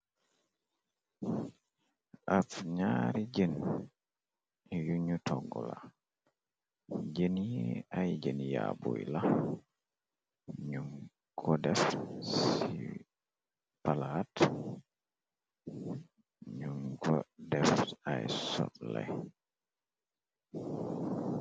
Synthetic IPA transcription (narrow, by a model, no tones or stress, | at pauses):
ʔafɲaːɾid͡ʒen | juɲutʰɔɡɔla | d͡ʒeniajd͡ʒenijabojla | ɲum | kʰɔdɛfsi | palat | ɲumɡɔdɛfajsɔ̰tlaj